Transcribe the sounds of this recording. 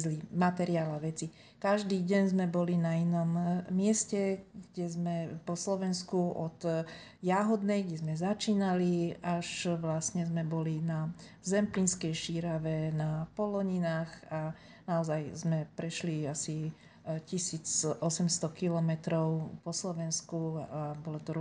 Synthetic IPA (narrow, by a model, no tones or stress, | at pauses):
zlimat̪ɛɾiaːlaʋɛt͡si | kaʒd̪iːɟɛɲzmɛbɔlinainɔmːɪɛscɛɡɟɛzmɛpɔslɔʋɛnskuʔɔt̪ | jaɦɔd̪nɛjɡɟɛzmɛzat͡ʃiːnaliaʃʋlasɲɛzmɛbɔlina | zɛmplinskɛjʃiːɾaʋɛnapɔlɔɲinaːxa | naɔzajzmɛpɾɛʃliasi | cisiːt͡sʔɔsɛmst̪ɔkilɔmɛt̪ɾɔʊpɔslɔʋɛnskuabɔlɔt̪ɔɾ